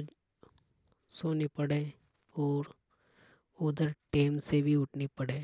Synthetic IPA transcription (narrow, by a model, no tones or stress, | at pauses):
soːnipɐɽeː | ɔːɾ | oːd̪əɾʈeːmsebʱiʊʈʰnipɐɽeː